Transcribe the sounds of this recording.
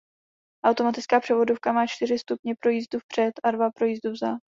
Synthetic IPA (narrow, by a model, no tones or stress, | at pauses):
ʔawt̪o̞mat̪ɪt͡skaːpr̥ɛvo̞dofkamaːt͡ʃt̪ɪrɪst̪upɲɛpɾo̞jiːzd̪ufpr̥ɛt̪ʔadvapɾo̞jiːzd̪uvza